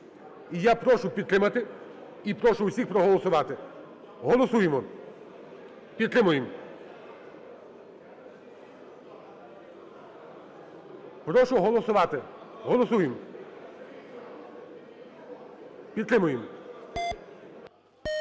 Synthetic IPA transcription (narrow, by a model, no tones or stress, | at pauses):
ijapɾɔʃʊpʲid̪t̪ɾɪmɐt̪ɪ | ipɾɔʃʊwsʲixpɾɔɦɔlˠɔsʊʋɑt̪ɪ | ɦɔlˠɔsujemɔ | pʲid̪t̪ɾɪmʊjem | pɾɔʃʊɦɔlˠɔsʊʋɑt̪ɪ | ɦɔlˠɔsujem | pʲid̪t̪ɾɪmʊjem